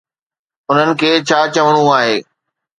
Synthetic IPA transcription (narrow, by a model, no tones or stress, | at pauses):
ʊn̤ənɪ̆kʰeːt͡ɕʰaːt͡ɕɐʋəɽ̃ũaːɦeː